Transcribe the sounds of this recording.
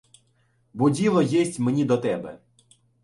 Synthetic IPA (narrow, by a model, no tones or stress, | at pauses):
bʊdʲilˠɔjɛsʲtʲmenʲid̪ɔt̪ɛbɛ